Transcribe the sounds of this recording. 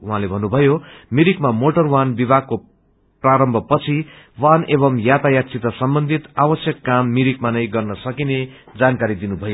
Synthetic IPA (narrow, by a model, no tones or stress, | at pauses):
uɦãlebʱʌnːubʱʌjomiɾikmamoʈʌrwanbibʱaɡ̚kːo | praɾʌmbʱʌpʌt͡sʰi | wanebʌmjat̪ajat̪t͡sit̪ʌsʌmbʌnd̪ʱit̪abʌsjʌkːamːiɾikmanʌjɡʌrnʌsʌkine | d͡zankaɾid̪inubʱʌjo